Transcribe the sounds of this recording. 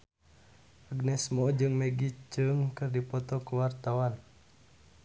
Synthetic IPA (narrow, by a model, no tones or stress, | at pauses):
ʔaɡnɛsmɔd͡ʒɨŋmɛɡit͡ʃɨŋkɨrdipɔt̪ɔkuwart̪awan